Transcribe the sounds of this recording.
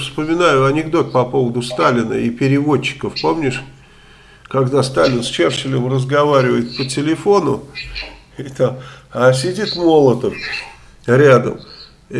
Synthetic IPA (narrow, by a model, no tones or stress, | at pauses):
fspəmʲɪnajʊɐnʲɪɡd̪o̞t̪̚pɐpo̞vəd̪ʊst̪alʲɪnə̰ipʲɪɾʲɪvo̞t͡ɕːɪ̥kəfpo̞mnʲɪʂ | kɐɡd̪ast̪alʲɪnsʲt͡ɕerɕɪlʲəmrəzɡɐvaɾʲɪvəjɪt̪̚pətʲɪlʲɪfo̞nʊ | it̪amas̬ʲɪdʲit̪mo̞lˠət̪əf | ɾʲad̪ə̰m